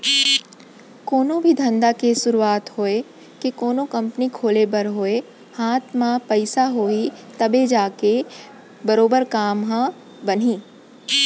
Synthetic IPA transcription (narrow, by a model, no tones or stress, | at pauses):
koːnõbʱid̪ʱɐ̃nd̪akesʊɾuaːt̪ɦoːe | kikoːnõkɐ̃mpənikʰoːlebɐɾɦoːe | haːt̪ʰmãpɐɪsaɦoːit̪ɐbed͡ʒaːke | bɐɾoːbəɾkaːmɦã | bɐn̤iː